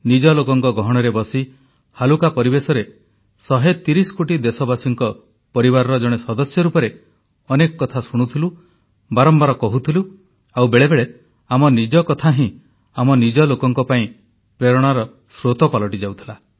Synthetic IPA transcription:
nid͡ʒɔlokɔŋkɔɡɔɦɔɽ̃ɔɾebɔsi | halukapɔɾibesɔɾe | sɔɦet̪iɾisɔ̥koʈid̪esɔbasuŋkɔ | pɔɾibaɾɔɾɔd͡ʒɔɽ̃esɔd̪ɔsjɔɾupɔɾe | ɔnekɔkɔt̪ʰasuɽ̃ut̪ʰilu | baɾɔmbaɾɔkɔɦut̪ʰilu | awbeɭebeɭe | amɔnid͡ʒɔkɔt̪ʰaɦĩ | amɔnid͡ʒɔlokɔŋkɔpaĩ | pɾeɾɔɽ̃aɾɔ | sɾot̪ɔpalɔʈid͡ʒawt̪ʰila

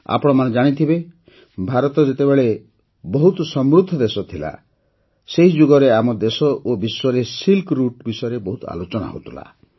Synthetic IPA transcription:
a̰pɔɽ̃ɔmaned͡ʒaɽ̃it̪ʰibe | bʱaɾɔt̪ɔd͡ʒet̪ebeɭe | bɔɦut̪ɔsɔmɾud̪ʱːɔd̪esɔt̪ʰila̰ | seɦid͡ʒuɡɔɾeamɔd̪esɔʔobiswɔɾesilkɾuʈbisɔeɾebɔɦut̪ɔa̰lot͡ʃɔɽ̃a̰ɦo̰t̪ʰula̰

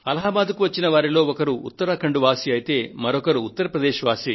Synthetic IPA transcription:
ɐlɐɦɐːbaːd̪ukuʋɐt͡ʃːinɐʋaːɾilo̞ːɔkɐɾuut̪ːɐɾaːkɐɳɖuʋaːsiɐjit̪e̞ːmɐɾɔkɐɾuːt̪ːɐɾɐpɾɐd̪eːʃɐʋaːsi

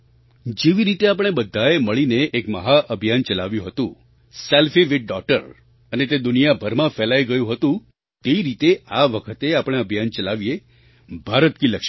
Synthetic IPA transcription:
d͡ʒeʋiɾit̪eap̬əɽ̃ebəd̪ʱːaeməɭineʔːkməɦaʔəbʱijant͡ʃəlaʋjũɦət̪ũ | selfiʋɪʈ̚ɖɔk̚ʈəɾ | ənet̪ed̪ʊnijabʱəɾmãfɛlajɡəjũɦət̪ũ | t̪eʋiɾit̪eaʋəkʰət̪eapəɽ̃eəbʱijant͡ʃəlaʋije | bʱaɾət̪kiləkʃ

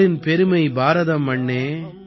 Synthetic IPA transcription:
ɪnpɛɾɯmɐɪbaːɾɐðɐmːɐɳːeː

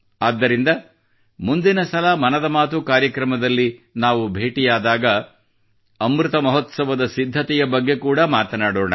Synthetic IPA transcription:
aːd̪ːɐɾind̪ɐ | mund̪inɐsɐlɐmɐnɐd̪ɐmaːt̪ukaːɾjɐkɾɐmɐd̪ɐlːinaːʋubʱeːʈijaːd̪aːɡɐ | ɐmɾut̪ɐmɐɦɔt̪sɐʋɐd̪ɐsid̪ʱːɐt̪ɛjɐbɐɡːe̞kuːɽɐmaːt̪ɐnaːɽoːɳɐ̰

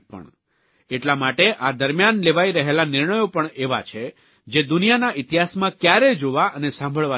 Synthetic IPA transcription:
pə̰ɳ | eʈlamaʈeʔad̪əɾmjanleʋaiɾəɦelanɪɾɳəjopəɳeʋa̰t͡ʃʰe | d͡ʒed̪unijanaʔit̪iɦasmãkjaɾed͡ʒoʋaʔənesãmbʱəɭʋa

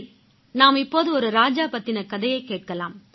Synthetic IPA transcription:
naːmɪpːoːðɯɔɾɯɾaːd͡ʒaːpɐt̪ːɪnɐkɐðɐjɐɪkːeːʈ̚kɐlaːm

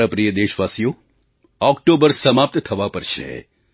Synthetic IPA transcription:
apɾijəd̪eʃʋasijo | ɔkʈobəɾsəmap̚t̪t̪ʰəʋapəɾʃʰḛ

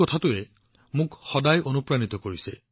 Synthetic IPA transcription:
ɔtʰatʊɛ | mʊkxɔdajʔonupɹanit̪ɔkoɹisɛ

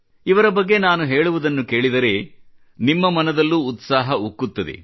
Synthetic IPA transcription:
iʋɐɾɐbɐɡːenaːnuɦeːɭuʋud̪ɐnːukeːɭid̪ɐɾe̞ | nimːɐmɐnɐd̪ɐlːuːt̪saːɦɐukːut̪ːɐd̪ḛ

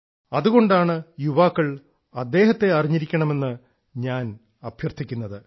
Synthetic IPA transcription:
ɐðuɣo̞ɳɖaːɳɨjuʋaːkːɐɭ | ɐd̪ːe̞ːɦɐt̪ːe̞ɐriɲːiɾikʲːɐɳɐme̞nːɨ | ɲaːn | ɐbʱjɐrt̪ʰikʲːunːɐðɨ

